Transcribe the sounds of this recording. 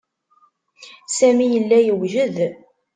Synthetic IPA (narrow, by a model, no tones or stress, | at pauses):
sæmijəlːæjəwʒəð